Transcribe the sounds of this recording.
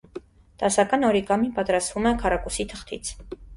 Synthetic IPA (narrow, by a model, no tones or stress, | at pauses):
d̪̥ɑsakʼɑnɔɾikɑmipʼɑt̪ɾasvumɛkʰɑɾakʼusit̪ʰəχt̪ʰḭt͡sʰ